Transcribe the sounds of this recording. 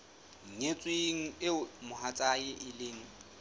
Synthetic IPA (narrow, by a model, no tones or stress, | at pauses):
ŋ̩ŋet͡sʼweŋ̩ɪmʊɦat͡sʼajɪʔɪlɪːŋ̩